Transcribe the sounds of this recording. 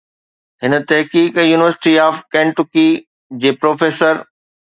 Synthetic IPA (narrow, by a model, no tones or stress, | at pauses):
ɦɪnət̪ɐɦkiːkjuːnɪʋəɾsɪ̥ʈiaːfkɛ̃ːɳʈʊki | d͡ʑeːpɾoːfeːsəɾ